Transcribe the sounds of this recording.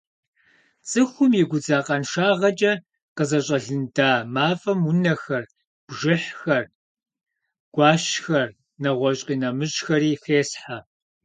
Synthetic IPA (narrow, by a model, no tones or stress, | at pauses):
t͡sʼɨxʷʊmjɛɡʷʊd͡zaːqʼɐnʂaːʁɐt͡ʃʼɐ | qəzɐɕʼɐɮɨndaːmaːfɐmʊnɐxɐr | b̥ʒɪħxɐr | ɡ̥ʷɑːɕxɐr | nɐʁʷɔɕʼqʼiːnɐmɨɕxɐɾiːxeːsħa